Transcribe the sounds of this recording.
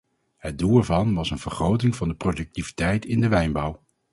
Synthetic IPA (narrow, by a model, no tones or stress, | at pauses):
ɦəd̚duːlˠɛɹvɑnʋɑsənv̥əɹχrowt̬ɪŋvɑndəprodɵk̚tivitɛjtʰɪndəʋɛjnbʌw